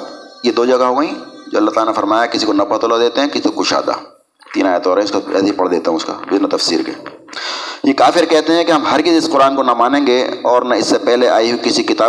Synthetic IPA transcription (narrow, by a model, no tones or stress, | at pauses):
jed̪oːd͡ʒɐɡaɦoːɡəĩd͡ʒo̰ːɐlːaɦt̪aːlanefɐɾmaːjakɪsikonɐpɐt̪olad̪eːt̪eɦɛ̃kɪsi̥okʊʃa̰ːd̪a̰ː | t̪iːnaːjət̪ɔːɾɦɛ̃ʊskaɛ̰ːseipɐɽd̪eːt̪aɦũʊska̰ːbɪnat̪ɐfsḭːɾkḛː | jekaːfɪɾkɛɦt̪eɦɛ̃kiɦɐmɦɐɾkɪzɪsqʊɾaːnkonɐmaːnẽːŋɡeɔːɾnaɪsːepɛɦleʔaːiɦukɪsikɪt̪aː